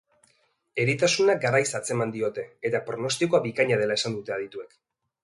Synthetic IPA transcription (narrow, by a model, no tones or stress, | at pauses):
e̞ɾit̪asunaɡaɾajsat͡se̞mand̪io̞t̪e̞ːt̪apɾo̞no̞st̪ikoaβikaɲað̞e̞lae̞sand̪ut̪e̞að̞it̪ue̞k